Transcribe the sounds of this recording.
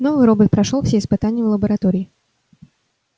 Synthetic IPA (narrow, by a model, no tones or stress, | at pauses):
novɨɾobət̪̚pɾɐʂolˠfsʲeɪspɨt̪anʲɪjəvlˠəbəɾɐt̪oɾʲɪɪ